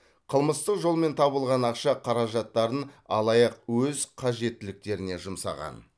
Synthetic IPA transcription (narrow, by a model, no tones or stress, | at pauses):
qʰəlˠməst̪əqʒo̞lˠme̞nt̪ʰɑβəlˠʁɑnɑqʃɑqʰɑɾɑʒɑt̪ːɑɾənɑ̰lˠɑjɑqwɵzqʰɑʒe̞t̪ːɪlɪk̚t̪e̞ɾɪne̞ʒʊmsɑ̰ʁɑ̰n